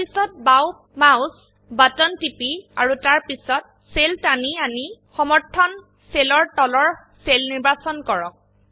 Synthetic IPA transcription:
pisɔt̚baw | maws | batɔntipiaɹutaɹpisɔt̚ | seltanianixɔmɔɹtʰːɔn | selɔɹtɔlɔɹ | selniɹbasɔnkɔɹɔ̰k̚

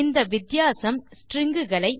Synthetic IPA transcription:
ɪnd̪ɐʋɪd̪jaːsɐmsʈrɪŋɡɯɣɐɭɐɪ

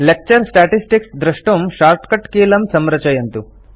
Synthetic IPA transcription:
lek̚t͡ʃɐɾsʈaːʈisʈiksd̪ɾɐʂʈɐmʃaːɾʈkɐʈkeːlɐmsɐmɾɐt͡ʃɐjɐnt̪u

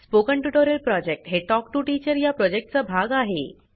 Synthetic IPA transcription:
spokəɳʈjuʈoɾəlpɾɔd͡ʑek̚ʈɦeʈɔk̚ʈuʈit͡ɕəɾjapɾɔd͡ʑek̚ʈ̚t͡sabʱaɡaɦḛ

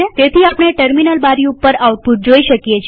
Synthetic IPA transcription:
et̪et̪ʰiapɽ̃eʈəɾminəlbaɾiupːəɾawt̪̚put̪̚d͡ʒoiʃəkjet͡ʃʰ

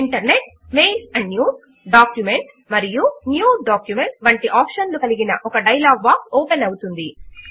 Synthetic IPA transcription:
iɳʈɐɾne̞ʈ̚ | me̞ːlsɐɳɖnjuːs | ɖaːkjumeɳʈ | mɐɾijunjuːɖaːkjume̞ɳʈʋɐɳʈiʔaːpʂɐnlukɐliɡinɐʔɔkɐɖɐjɐlaːɡ̚baːksoːpenɐwut̪und̪i

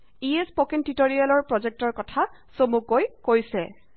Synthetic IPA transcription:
iespokɛntitoɹijalɔɹpɹɔzɛk̚tɔɹkɔtʰa | somukojkojsɛ

